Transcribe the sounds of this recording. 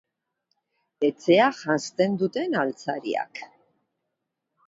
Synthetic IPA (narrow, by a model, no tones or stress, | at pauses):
et͡sʰeaχanst̪e̞nd̪ut̪e̞nalt͡saɾḭa̰k